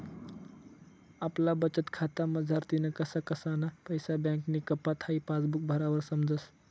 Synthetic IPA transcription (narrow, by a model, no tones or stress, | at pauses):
əplabət͡ʃət̪kʰaːt̪aməd͡zʱəɾt̪inɐkɐsakɐsanapəjsabjãŋknikɐpːat̪ʰaipaːsbuk̚bʱəɾabəɾsəmd͡ʒəs